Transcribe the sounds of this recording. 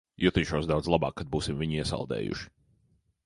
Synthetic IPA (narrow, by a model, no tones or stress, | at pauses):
jut̪iːʃoɔsd̪awd̪zlˠabɑ̰ːkːad̪̚buːsimviɲiɛsa̰lˠd̪ɛ̰ːjṵʃi̥